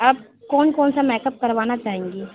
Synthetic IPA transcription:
ɐb̚ | kɔːnkɔːnsamɛːkəp̚kɐɾʋaːnat͡ʃaːɦẽːŋɡiː

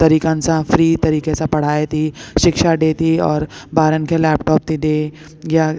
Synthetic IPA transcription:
t̪ɐɾiːkãnsãfɾiːt̪ɐɾiːkesapɐɽ̤aːet̪ʰiʃɪkʃaɖeːt̪iɔːɾbaːɾənkelɛːpʈɔːp̚t̪ʰid̪eː | ɡja

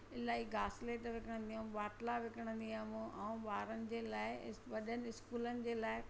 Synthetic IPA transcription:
ɪlaːiɡaːsleːʈʋɪkəɽ̃nd̪ijaːmũɓaːʈlaʋɪkəɽ̃ə̃nd̪iaːmũʔɐũɓaːɾənɪ̆d͡ʑeːlaːɪʋɐɗənɪ̆ɪskuːlənɪ̆d͡ʑeːlaːɪ

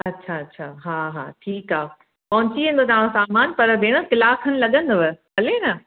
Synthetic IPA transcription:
ɐtːɕʰaɐtːɕʰaːɦaːɦa̰ːʈʰiːkaː | pɐɦʊ̃ɲt͡ɕiẽːn̆d̪ot̪ɐʋãːɽ̃õsaːmaːnpɐɾbʱeːɽ̃əkɪlaːkʰənɪ̆lɐɠə̃nd̪oʋəpɐlenɐ

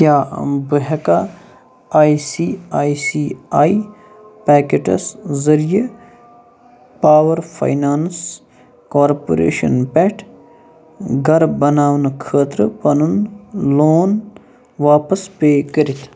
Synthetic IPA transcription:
kjaːbəɦɐka | aːisiːaːisiːaːi | pɛːkeʈɐ̰szɐɾije | paːʋɐɾfʰɐ̰jnaːns | kaːɾpo̰ɾḛːʃɐ̰npɛʈʰ | ɡɐɾbɐnaːʋnkʰəːt̪ɾɨpɐnunloːn | ʋaːpɐspeːkəɾit̪ʰ

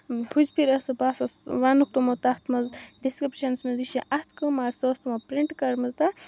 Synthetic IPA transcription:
hʰuzʲpʰiɾɐsɐbaːsɐsʋaːnuk̚t̪umɐt̪at̪ʰmɐzɖiskɾipʃɐnsmiziʃiʔɐt̪ʰkɨmaːɾsəst̪umɐpɾiɳʈkɐɾmɐzt̪a

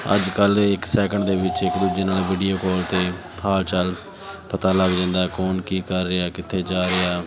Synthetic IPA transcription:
ə̰d͡ʒkəlɪksɛːkəɳd̪eːʋɪt͡ʃɪkd̪uːd͡ʒeːnaːlʋiːɖijoːkɔːlt̪eː | pʰaːlt͡ʃəl | pʰət̪aːləɡd͡ʒãːnd̪aːkɔːnkiːkəɾːɪaːkɪt̪ʰːeːd͡ʒaːɾeaː

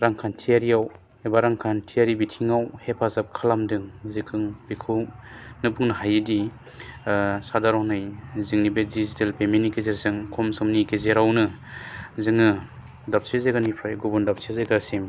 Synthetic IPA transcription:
ɾaŋkʰantʰijaɾiaw | ebaɾaŋkʰantʰijaɾibitʰiŋawhepʰazap̚kʰɯlamdɯŋzikʰɯŋb̥ikʰɯwnɯbɯŋnɯɦajidi | sadaɾɔhnɯjzɯŋnibedizitalpemenikezeɾzɯŋkʰɔmsɯmnikezeɾawnɯ | zɯŋɯ | dap̚sezeɡanipʰɾajɡubundap̚sezeɡasem

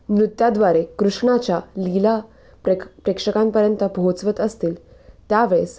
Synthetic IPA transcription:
mɾut̪ːjad̪ʋaɾekɾuʂɳ̃at͡ɕjalila | pɾekʂəkãmpəɾjənt̪əbʱot͡sʋət̪əst̪iːlt̪jaʋeɭes

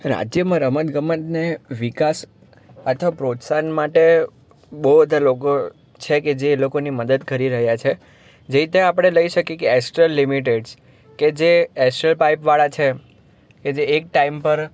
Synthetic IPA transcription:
ɾa̰d͡ʒjəmãɾəmət̪ɡəmət̪neʋikas | ət̪ʰʋapɾot̪sanmaʈe | bod̪ʱloko | t͡ʃʰeked͡ʒelokoniməd̪əd̪kəɾiɾəɦjat͡ʃʰe | d͡ʒeit̪eapəɽ̃eləiʃəkjekeɛsʈɾəlːimiʈ̬eɖs | ked͡ʒeɛsʈɾəlpaipʋaɭat͡ʃʰe | ked͡ʒeːk̚ʈaimpəɾ

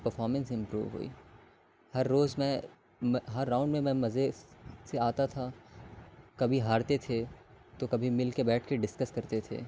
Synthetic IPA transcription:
pɐɾfɔːɾmə̃nsɪ̃mpɾṵːʋɦo̰ːḭ | hɐɾːoːzmɛ̃ | ɦɐɾːaʊ̃ɳɖmẽmɛ̃mɐzeseaːt̪at̪ʰa | kɐbʱiɦaːɾt̪et̪ʰe | t̪okɐbʱimɪlkebɛːʈʰkeɖɪskəskɐɾt̪et̪ʰḛː

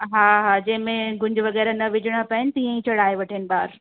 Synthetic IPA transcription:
ɦaːɦaːd͡ʑɐ̃ɦɪ̃mẽɡʊ̃ɲd͡ʑʊʋɐɣɛːɾanɐʋɪd͡ʒɪɽ̃apɐɦɪnɪt̪iːə̃ĩt͡ɕɐɽ̤aːeʋɐʈʰənɪ̆ɓaːɾ

